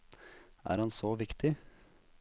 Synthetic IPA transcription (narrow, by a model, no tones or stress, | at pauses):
æ̰ːɾhɑnsoːʋɪkt̪ʰɪ